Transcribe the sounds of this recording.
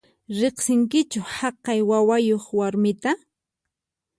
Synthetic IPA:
ɾeχsɪŋkɪt͡ʃʊhɑqɑjwawajoχwaɾmɪt̪a

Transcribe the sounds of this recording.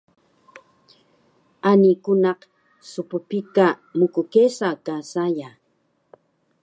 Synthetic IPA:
anikʊnɑq | sʊpʊpika | mʊkʊkesakasaja

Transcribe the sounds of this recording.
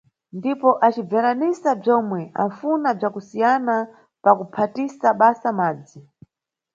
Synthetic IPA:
ndipɔʔat͡ʃib͡vaɾanisab͡ʐɔmwɛʔa̰funab͡ʐakusijana | pakupʰatisaɓasamaːd͡zi

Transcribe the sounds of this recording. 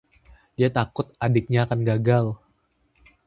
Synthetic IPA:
diat̪akʊt̪̚ʔadɪk̚ɲaːkanɡaɡal

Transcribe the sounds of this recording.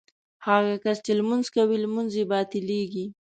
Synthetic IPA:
haɣakast͡ʃelmʊnzkawilmʊnzebɑt̪ɪleɡi

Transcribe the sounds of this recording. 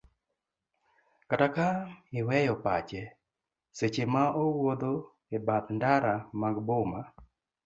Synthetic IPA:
katakaɪwɛjɔpat͡ʃɛ | set͡ʃemaowod̪o | ebat̪ndaɾamaɡbʊma

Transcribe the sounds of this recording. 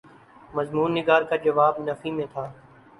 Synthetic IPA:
məzmuːnːɪɡaːɾkad͡ʒɐʋaːbnəfimẽt̪ʰaː

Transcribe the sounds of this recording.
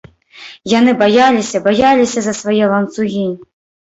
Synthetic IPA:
janɨbajalʲisʲɐbajalʲisʲɐzɐsvajɛlˠɐnt̪suɣʲi

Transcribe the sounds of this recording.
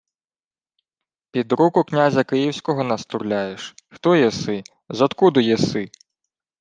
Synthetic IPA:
pʲid̪ɾukʊknʲazʲɐkɪjiwsʲkɔɦɔnɐst̪ʊɾlʲajeʃxt̪ɔjɛsɪ | zɔt̪kud̪ʊjɛsɪ

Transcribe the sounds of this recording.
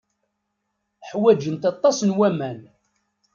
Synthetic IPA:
ħwæd͡ʒənt̪ɑt̪ˤːɑsnwæmæn

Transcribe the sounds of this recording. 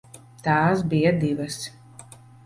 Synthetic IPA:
t̪aːsbijɐd̪ivɐs

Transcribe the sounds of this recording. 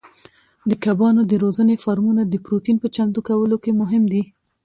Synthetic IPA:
d̪əkabɑnod̪əɾozənefɑɾmunad̪əpɾot̪inpət͡ʃamt̪ukawəlokemʊɦɪmd̪i

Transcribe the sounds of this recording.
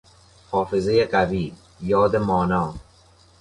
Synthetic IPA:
hɔːfɪzejeqabiː | jɒːd̪emɔːnɔː

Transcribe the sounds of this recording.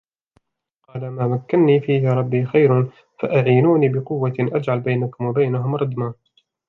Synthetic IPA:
qɑːlamaːmakːanːiːfiːhaɾˤɑbːiːxajɾn | faʔaʕiːnuːniːbɪqʊwːaʔad͡ʒʕalbajnakʊmwabajnaɦʊmɾˤɑd̪maː

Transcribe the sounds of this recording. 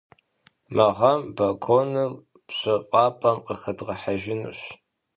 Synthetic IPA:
mɐʁɐmbɐkʷʰoːnɨl | pɕʼɐfʼɑːpʼɐmqəxɐdʁɐħaʒɪnṵɕ

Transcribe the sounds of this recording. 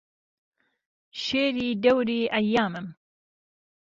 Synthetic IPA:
ʃeːɾiːd̪ɛwɾiːʔɐjːaːmɨm

